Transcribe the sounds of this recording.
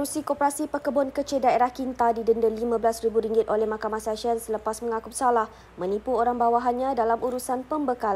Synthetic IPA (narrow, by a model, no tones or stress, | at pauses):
ɾusikopəɾasipəkəbɔnkət͡ʃɪdaeɾahkint̪adidəndəlimãbəlasɾibuɾiŋɡɪt̪̚olɛhmakamahsaʃənsələpasmə̃ŋakupsalah | mə̃nipuoɾaŋbawaɦanɲãdalamuɾusanpəmbəkala